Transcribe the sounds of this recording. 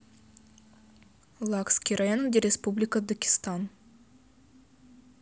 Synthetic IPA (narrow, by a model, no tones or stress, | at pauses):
lˠakskʲijrajonəkd̪ʲeɾʲespublʲɪkəd̪əkʲɪ̥st̪ɑn